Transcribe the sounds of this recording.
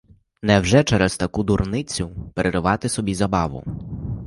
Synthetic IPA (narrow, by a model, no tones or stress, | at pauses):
nɛwʒɛt͡ʃɛɾɛzt̪ɐkud̪urnɪt͡sʲʊpeɾʔeɾɪʋɑt̪ɪsɔbʲizɐbɑʋʊ̰